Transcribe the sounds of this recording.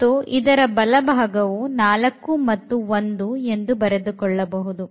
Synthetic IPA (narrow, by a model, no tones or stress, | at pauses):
uʔid̪ɐɾɐbɐlɐbʱaːɡɐʋunaːlɐkːumɐt̪ːuond̪ue̞nd̪ubɐɾed̪ukɔɭːɐbɐɦud̪u